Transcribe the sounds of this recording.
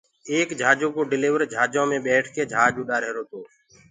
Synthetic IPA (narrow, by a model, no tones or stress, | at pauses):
eːkd͡ʒʱaːd͡ʒõːkoːɖɪliːʋəɾd͡ʒʱaːd͡ʒãːmẽːɓɛːʈʰkeːd͡ʒʱaːd͡ʒuːɗaːɾɦeːɾoːt̪oː